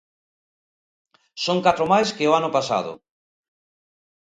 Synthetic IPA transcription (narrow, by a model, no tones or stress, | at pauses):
soŋkat̪ɾʊmajskeʊanʊpasa̰ðʊ̰